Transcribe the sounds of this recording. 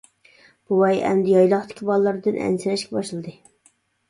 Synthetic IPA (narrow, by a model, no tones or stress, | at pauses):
b̥uwɛjɛ̰md̪ɪjɑjlˠɑχt̪ʰɪ̥kʲʰibɑlˠːɨɾd̪ɨnʔɛ̰nsɪɾɛʃkʲɛbɑʃlˠɨd̪ɨ